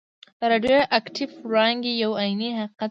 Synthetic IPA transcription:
d̪əɾɑɖjoʔakʈɪfɾɑŋɡejawɑjiniɦaqiqat̪

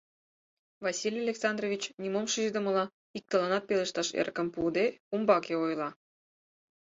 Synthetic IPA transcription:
vɑsʲilʲɑlʲeksɑnd̪rovʲit͡ɕnʲimomʃiʒd̪ə̆mə̆lɑ | ik̚t̪ə̆lɑnɑt̪̚pelə̆ʃt̪ɑʃḛrkə̆mpud̪eumbɑkeojlˠɑ

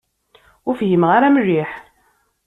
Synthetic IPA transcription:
ʊɾfɦimʁaɾamriħ

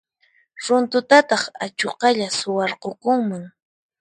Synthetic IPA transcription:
ɾʊnt̪ʊt̪at̪ɑχat͡ʃoqɑʎasʊwɑɾqokʊŋmaŋ

